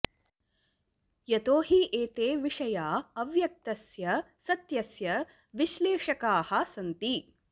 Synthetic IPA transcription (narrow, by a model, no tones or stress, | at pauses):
jɐt̪oːɦiʔeːt̪eːʋiʂɐjaːɐʋjɐk̚t̪ɐsjɐsɐt̪jɐsjɐ | ʋiʃleːʂɐkaːhɐ̆sɐnt̪i